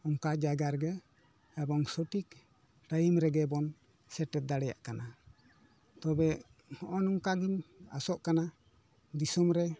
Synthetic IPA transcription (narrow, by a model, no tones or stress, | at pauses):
ɔŋkad͡ʒaɡaɾɡə | ɛbɔŋsɔʈik | ɾajimɾɛɡɛbɔn | sɛʈɛt̪̚d̪aɽɛja̰ʔkana | t̪ɔbɛ | ɔnɔŋkaɡima̰sɔʔkana | d̪isɔmɾɛ